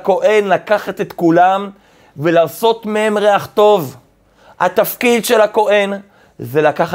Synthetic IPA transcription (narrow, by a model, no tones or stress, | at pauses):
ko̞ʔenlakaχat̪e̞t̪kulam | velaːso̞t̪meemʁeaχt̪o̞v | ha̰t̪afkid̪ʃelako̞ʔe̞n | zelakaχ